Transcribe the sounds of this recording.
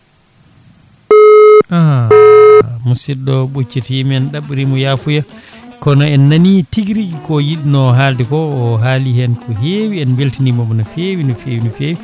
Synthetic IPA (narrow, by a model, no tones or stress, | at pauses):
aha | musiɗɔɓut͡ʃːitiimɛnɗaɓːiɾimɔjafuja | kɔnaɛnːanitiɡiɾikikɔjiɗinɔɦaldɛkɔːɦaliɦɛnkʰɔɦewiɛnweltinimɔmɔnafewinɔfeːwinɔfeːwi